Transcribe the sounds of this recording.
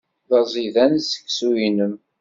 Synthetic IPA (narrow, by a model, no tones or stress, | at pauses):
ðɑzˤiðænsə̥kːsujinəm